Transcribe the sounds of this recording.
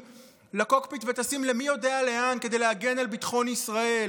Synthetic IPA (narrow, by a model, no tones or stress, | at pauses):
lako̞kpit̪ve̞t̪asimle̞mijo̞deale̞anke̞d̪ejleaɡe̞nalbit̪χo̞nisʁae̞